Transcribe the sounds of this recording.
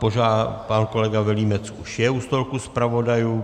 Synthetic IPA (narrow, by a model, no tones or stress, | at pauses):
poʒaːpankolɛɡavɛliːmɛt͡suʃjɛust̪olkuspɾavo̞daju